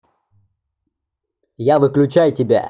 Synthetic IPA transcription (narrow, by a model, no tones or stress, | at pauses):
javɨklʲʉt͡ɕajʊtʲɪbʲa̰